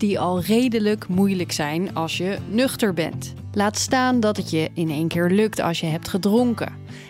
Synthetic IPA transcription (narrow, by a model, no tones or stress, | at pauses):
d̥iɑlˠrejdələkmujləksɛjnɑlˠsjənøχtəɹbɛ̰nt | laːtstaːndɑtətjəɪnejnkɪːɹlɵktɑ̰lˠsjəɦɛp̚tχədroŋkə̰